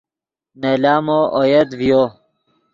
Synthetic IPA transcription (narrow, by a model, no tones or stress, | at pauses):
nelaːmoʔojed̪vijo